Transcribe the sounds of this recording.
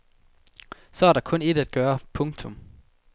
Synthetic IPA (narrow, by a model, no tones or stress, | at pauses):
sɒ̽æɐɾ̥ɑ̈kʰɔ̽ne̝d̥æd̥̚ɡ̥ɶːɐpʰɔ̽ŋt͡sʰɔm